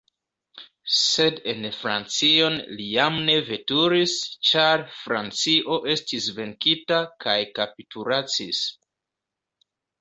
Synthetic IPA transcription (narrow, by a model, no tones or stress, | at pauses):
se̞de̞nfɾa̰nt͡sio̞nlijamne̞ve̞tuɾist͡ʃaɾfɾant͡siʔo̞ʔe̞stisve̞ŋkitakʰajkapituɾat͡sis